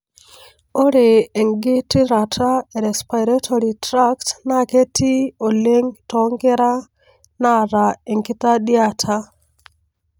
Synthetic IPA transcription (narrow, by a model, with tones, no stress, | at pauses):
o˦ɾe˨e˨ŋɡɪ˦ti˦ɾa˨tʰa˦e˨ɾɛ˨spa˨jɾa˦tʰo˨ɾitɾa˦ktna˨ke˦tʰi˦o˨le˦ŋtɔ˨ŋɡɪ˦ɾa˦ | na˦ɾa˨e˨ŋɡɪ˦ta˦ɗi˦a˦tʰa˦